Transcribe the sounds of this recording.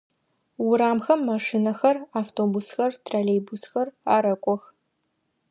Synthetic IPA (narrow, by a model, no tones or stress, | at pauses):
wʊɾaːmxɐmːaʂinɐxɐraːftʰoːbusxɐrtʰraːlejbusxɐraːɾɐkʷʼɔx